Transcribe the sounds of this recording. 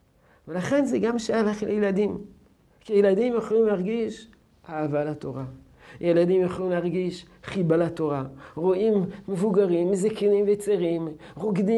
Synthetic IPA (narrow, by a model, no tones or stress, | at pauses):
velaχe̞nzeɡamʃajalaχljeladim | kijelad̪imjaχolimleaʁɡiʃ | aːvalat̪o̞ʁa | jeladimjaχolimleaʁɡiʃ | χibalato̞ʁaʁoʔimːevuɡaʁimːezakinimvet͡seʁimʁoɡd̪i